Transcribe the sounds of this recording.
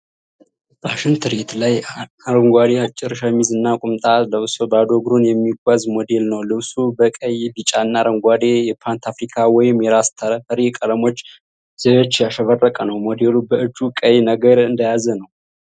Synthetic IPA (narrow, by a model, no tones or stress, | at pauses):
b̥aʃɪnt̪ʰɨɾet̪laj | aɾəŋɡʷad̪eat͡ʃʼːɪɾʃəmizɨnːakʼʊmt̪ʼaləβsobad̪o̞ɡɾunjɛmːiɡʷwazmo̞d̪e̞lnəwlɨβsʼubəkʼəjbit͡ʃʼanːaɾəŋɡʷad̪ejɛpʰant̪ʰafɾikʰawɔjɪmjɛɾast̪ʰəɾəfəɾekʼələmo̞t͡ʃː | z̥ejot͡ʃːjaʃəβərːəkʼənəwmo̞d̪elubəʔɨd͡ʒukʼəjnəɡəɾɨnd̪əjazənəw